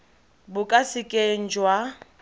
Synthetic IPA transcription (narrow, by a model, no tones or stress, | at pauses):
bʊkʼasɪkʼeŋ̩d͡ʒwa